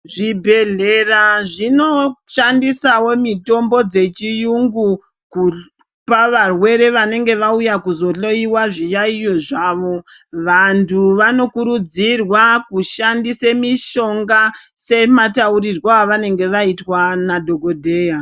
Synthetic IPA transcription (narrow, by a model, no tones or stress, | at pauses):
ʐibʱe̞ɮeraʐino̞ʃandisawo̞mito̞mbo̞d͡ze̞t͡ʃijuŋɡu | ku | paʋarwe̞ɾe̞ʋane̞ŋɡe̞ʋaujakuzo̞ɬo̞iwaʐijaijo̞ʐaːʋo̞ʋantʰuʋano̞kuɾud͡zirwakuʃandisemiʃo̞ŋɡa | se̞matauɾirwoaʋane̞ŋɡe̞ʋaitwanadʱo̞ɡodʱe̞ːja